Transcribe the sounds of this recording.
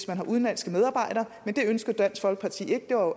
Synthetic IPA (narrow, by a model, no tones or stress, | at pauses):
smænɦɑ̈uð̞ˠnlænsɡ̥əmeðˠɑ̈ːb̥ɑ̈ɪ̰ɾ̥ɐːmend̥e̝ønsɡ̥ð̩ˠd̥æn̰sfɒ̽lɡ̥̚pʰɑ̈t͡sʰḭːe̝ɡ̥d̥e̝ʋɑ̈jo